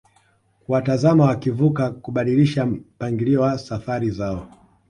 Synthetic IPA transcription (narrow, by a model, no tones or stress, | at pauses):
kuwatazamawakivukakuɓaɗiliʃapaŋɡiliwasafaɾizaɔ